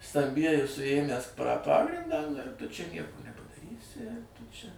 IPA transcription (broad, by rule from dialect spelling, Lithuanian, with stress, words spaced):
stɐmʲˈbʲiɛjɪ sʊˈeːmʲæːs prɐ ˈpɑːɡrʲɪndɑː nʊ ɪr tʊ t͡ʃʲɛ ˈnʲiɛkoː nʲɛpɐdɐˈrʲiːsʲɪ tʊ t͡ʃʲɛ